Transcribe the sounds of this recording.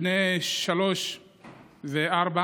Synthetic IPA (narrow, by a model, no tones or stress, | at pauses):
neʃaloʃ | zeʔaɾba